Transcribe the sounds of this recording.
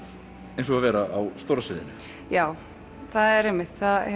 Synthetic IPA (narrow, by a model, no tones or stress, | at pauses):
ẽjnsɔɣavɛːɾaʔawst̪owɾasvɪ̰ːðɪ̰nʏ | jaːw | θaðɛɾemːɪht̪θað